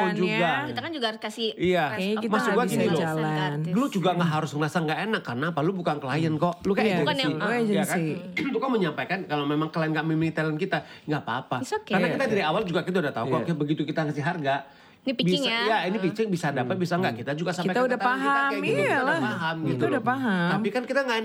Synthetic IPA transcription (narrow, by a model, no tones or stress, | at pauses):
t̪ud͡ʒuɡɡakiakand͡ʒuɡaɾskasiijamasuɡuaɡinilolanlud͡ʒuɡaŋɡaɦaɾʊslasaŋɡaʔenakːarnaːpalubukaŋkəlajənkɔʔlukajd͡ʒəsid͡ʒjakait̪ukaməɲampajkankalomemaŋkəlajənɡaʔmimilit̪ələnkit̪aŋɡapaːpakkaɾnakit̪adidaawald͡ʒuɡakit̪audaht̪aukɔkebəɡit̪ukit̪aŋasɪɦarɡa | bisajainipit͡ʃɪŋbisadapət̪̚bisaŋɡaʔkit̪ad͡ʒuɡasamipajt̪audatapaɦaaaaapaɦamɡit̪uuapaɦat̪ampikankit̪aŋɡaʔen